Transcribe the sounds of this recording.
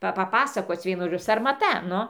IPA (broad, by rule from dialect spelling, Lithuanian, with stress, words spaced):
ˈpɐ pɐˈpɑːsɐkoːt͡s ˈʋʲiɛnʊ ʒoːˈd͡ʒʲʊ sɐrmɐˈtɐ ˈnʊ